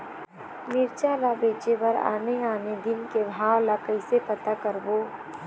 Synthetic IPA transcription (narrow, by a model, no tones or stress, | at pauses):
mɪɾt͡ʃaːlabeːt͡ʃebɐɾa̰ːneaːned̪ɪnkebʱaːʋlakəɪsepɐt̪akəɾboː